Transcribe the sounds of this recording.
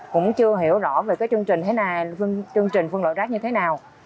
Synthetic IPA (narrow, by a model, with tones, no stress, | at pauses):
kʊ̰˧˥ŋ͡mt͡ɕɨ˧əɦi˧˩əwzɔ˧˩ve˨˩kaː˨˦jt͡ɕɨ˧əŋt͡ɕï˨˩ŋ̟t̪ʰe˨˦naː˨˩fŋt͡ɕɨ˧əŋt͡ɕï˨˩ŋ̟fɨ˧ŋlo̰˧˨jzaː˦˥k̚ɲɨ˧t̪ʰe˨˦naː˨˩w